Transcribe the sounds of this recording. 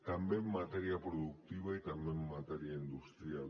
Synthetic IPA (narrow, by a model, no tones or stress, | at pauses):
t̪ambemːat̪eɾiapɾoðuk̚t̪iβaet̪ambemːat̪eɾiaind̪ust̪ɾial